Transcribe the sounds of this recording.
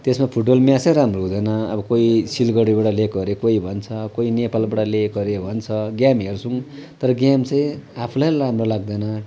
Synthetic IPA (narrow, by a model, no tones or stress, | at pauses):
t̪esmapʰuʈbʌlmjat͡sʌjɾamroɦũd̪ʌjnʌʌbʌkoisilɡʌɽibaɽʌlekɡʌɾekoibʱʌnt͡sʰʌkoinepalbaʈalekʌɾebʱʌnt͡sʰʌɡjamɦert͡sʰuŋt̪ʌɾʌɡjamt͡sʌj̃apʰulajramrolaɡ̚d̪ʌnʌ